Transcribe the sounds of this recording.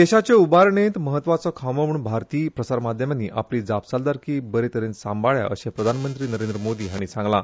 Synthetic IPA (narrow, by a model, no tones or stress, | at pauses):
d̪eɕat͡ɕeubaɾɳet̪məɦət̪ːʋat͡sɔkʰaməʋuɳbʱaɾt̪iːpɾəsaɾmad̪ʱjəmanːiːʔa̰pliːd͡zapsald̪aɾkiːbəɾet̪əɾensambaɭja̰ʔə̰ɕepɾəd̪ʱanmənt̪ɾiːnəɾẽnd̪ɾəmod̪iːɦaɽ̃isãŋɡla